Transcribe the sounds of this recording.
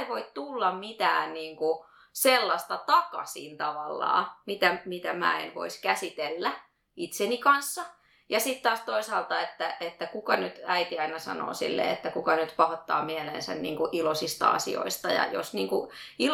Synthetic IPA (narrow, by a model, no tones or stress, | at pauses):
ʋoit̪t̪ulːɑmmit̪æ̰ːnniːŋku | selːɑst̪ɑt̪ɑkɑ̰sḭːnt̪ɑʋɑlːɑ̰ːmit̪æmit̪æmæ̰ːḛnʋo̰iskæsit̪elːæ | it̪senikɑnsːɑ | jɑsit̪t̪ɑːst̪oisɑːlt̪ɑet̪ːæet̪ːækukɑnyt̪æit̪iɑinɑsɑ̰no̰ːsḭlːḛːḛt̪ːækukɑnyt̪pɑhot̪ːɑ̰ːmielḛːnsæ̰nnḭːŋkuʔilosist̪ɑ̰ɑ̰sḭo̰ist̪ɑjɑ̰jo̰sniːŋku | i